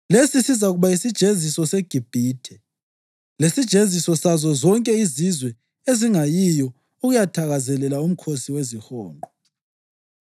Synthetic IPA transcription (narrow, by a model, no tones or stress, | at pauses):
lesisizauɣuβaisid̥ʒ̥ʱezisɔseɡ̥ʱib̥ʱiːtʰɛ | lesid̥ʒ̥ʱezisɔsazɔzɔŋkʼɛizizwɛ | eziŋajijɔ | uɣujatʰaɣazɛlɛlaum̩kʰosiwezihɔːnɔ